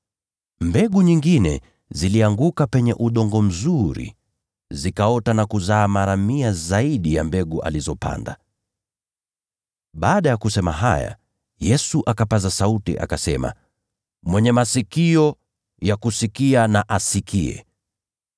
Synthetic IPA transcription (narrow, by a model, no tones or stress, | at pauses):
mbɛɠuɲiŋɡinɛ̰ | ziliaŋɡukapɛɲɛʔuɗɔŋɡɔm̩zuɾḭ | zikaɔtanakuzaːmaɾamiazaiɗijambɛɠuʔa̰lizɔpa̰nda̰ | ɓaːɗajakusɛma̰ɦaja̰ | jɛsuʔakapazasautḭʔa̰kasɛma̰ | mwɛɲɛmasikiɔ | jakusikianaʔasikʰiɛ̰